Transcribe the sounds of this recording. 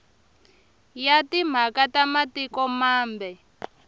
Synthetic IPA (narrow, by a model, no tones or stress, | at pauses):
jatim̤akatamatikɔmaːmbɛ